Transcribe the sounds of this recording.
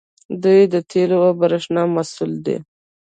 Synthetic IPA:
d̪ujd̪ət̪ʰelowabaɾəʂnɑmasuld̪ḛ

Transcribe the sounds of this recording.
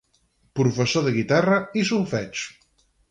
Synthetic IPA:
pɾufəsoðəɣit̪arəisulfɛt͡ʃ

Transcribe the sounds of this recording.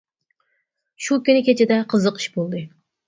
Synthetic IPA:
ʃukʲynɪkʲet͡ʃʰɪd̪ɛqʰəzəqi̥ʃbolˠd̪ɨ

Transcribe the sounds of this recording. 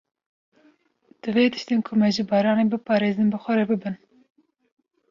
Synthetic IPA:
d̪̥ɨveːt̪ʰɨ̥ʃt̪eːnkʰʊmɛʒɨbɑːɾɑːneːbɨpʰɑːɾeːzɨnbɨxʷɛɾebɨbɨn

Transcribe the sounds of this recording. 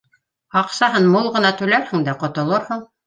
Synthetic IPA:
ɑqsɑɦɤnmolˠʁɤ̆nɑt̪ʉlæɾhɘ̆ŋd̪æqŏt̪ŏlˠoɾhɤɴ

